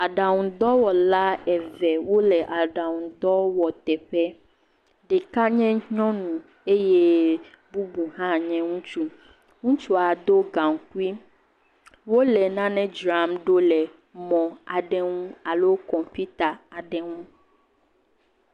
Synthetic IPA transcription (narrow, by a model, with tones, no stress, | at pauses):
a˨ɖa˨ŋũ˨d̪ɔ˦wɔ˨la˦ɛ˨vɛ˨wo˦lɛ˨ʔa˨ɖa˨ŋũ˨d̪ɔ˦wɔ˨t̪ɛ˨ɸɛ˦ | ɖɛ˨ka˦ɲɛ̃˦ɲɔ̃˦nũ˨ | e˦je˦ | bu˦bu˨ɦã˦ɲɛ̃˦ŋũ˦t͡ʃu˦ | ŋũ˦t͡ʃu˦a˨d̪o˦ɡã˨ŋ˨ku˦i˦ | wo˦lɛ˨nã˦nɛ̃˦d͡ʒɾa˨mɖo˦lɛ˨ | mɔ̃˨a˨ɖɛ˦ŋũ˦a˨lo˦kɔ˨mpi˦t̪a˨a˨ɖɛ˦ŋũ˦